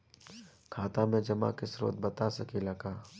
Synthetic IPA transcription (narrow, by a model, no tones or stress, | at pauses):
kʰaːt̪amẽd͡ʒɐma̰kesɾo̰ːt̪̚bɐt̪asɐkilaːkaː